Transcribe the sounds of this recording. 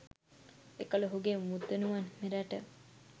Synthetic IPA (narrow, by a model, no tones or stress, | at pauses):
ekəloɦuɡemmut̪ːenumanmeɾæʈə